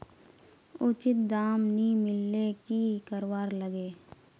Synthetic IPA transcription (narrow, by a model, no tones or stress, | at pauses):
ʊt͡ʃɪt̪̚d̪aːmnĩmɪlːekikəɾwaːɾləɡeː